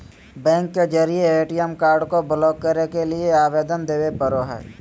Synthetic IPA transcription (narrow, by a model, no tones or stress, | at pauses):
bɛ̃ːŋkːed͡ʒəɾieeːʈijəmkaːɾɖkoblɔːɡ̚kːəɾnekelɪeaːʋeːd̪ənd̪eːʋepəɾoɦɛ̰ː